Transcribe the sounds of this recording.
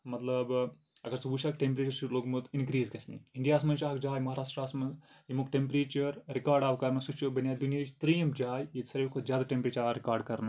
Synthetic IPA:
mɐt̪lɐb | ɐkɐɾsubuʃaːkʈempɾeːt͡ʃɐɾʃuloːɡmɐt̪inkɾiːzkɐsnḭiɳɖijaːsmɐnʃaːɐkd͡ʒaːjmɐɦaːɾaːʂʈɾaːsmɐnsimukʈempɾeːt͡ʃɐɾːikaːɾɖaːʋɐkɐɾnɐsut͡ʃubɐnjaːd̪unjɐt͡ʃt̪ɾijɐmd͡ʒaːjit̪sɐɾeʋkod͡ʒjaːd̪ɐʈempɾeːt͡ʃɐɾikaːɾɖkɐɾnɐ

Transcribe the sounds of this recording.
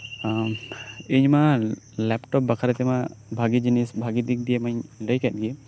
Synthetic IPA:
iɲma | lɛpʈɔp̚bakʰaɾɛt̪ɛmabʱaɡid͡ʒinisbʱaɡid̪ik̚d̪ijemaɲləjkɛt̪̚ɡi

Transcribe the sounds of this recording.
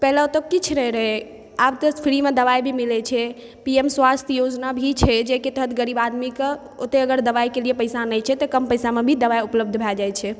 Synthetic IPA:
pɛɦlaot̪əkit͡ʃʰɾəɦɛɾəɦɛ | abt̪əpʰɾimed̪əʋajbʱimilɛt͡ʃʰɛ | piemswast̪ʰjod͡ʒnabʱit͡ʃʰɛd͡ʒeket̪əɦət̪ʰɡəɾibad̪mike | ot̪eəɡəɾd̪əʋajkeliepəjsanəjt͡ʃʰɛt̪ɔkəmpəjsamebʱid̪əʋajupləb̚d̪ʱbʱɛld͡ʒajt͡ʃʰɛ

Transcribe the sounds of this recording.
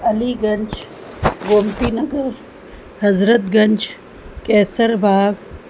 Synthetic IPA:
ɐliɡɐɲt͡ʃ | ɡoːmt̪inɐɡɐɾ | hɐzɾət̪ɡɐɲd͡ʒ | kɛːsɐɾbʱaːɡ

